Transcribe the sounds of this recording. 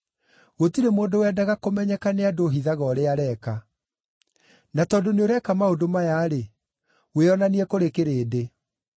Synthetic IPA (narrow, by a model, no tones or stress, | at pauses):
ɣotiɾemoːdowɛːdaɣakomɛɲɛkaneadoɦiðaɣɔɾeaɾɛːka | natɔdoneoɾɛkamaodomajaːɾe | weɔnaniɛkoɾekeɾeːde